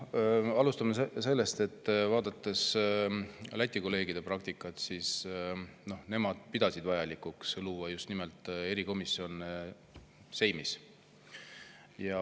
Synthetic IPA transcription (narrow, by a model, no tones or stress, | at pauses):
ɑlust̪ɑmese̞lːe̞st̪e̞t̪ːvɑːd̪̥ɑt̪ːˑe̞s | læt̪ʲːˑiko̞le̞ːɡid̪̥e̞prɑk̚t̪ikːˑɑt̪sis | no̞hne̞mɑd̪̥̚pid̪̥ɑsid̪vɑjɑlikːuksluvɑjust̪nimelt̪ːˑe̞ɾiko̞misio̞ne | se̞jmis | jɑ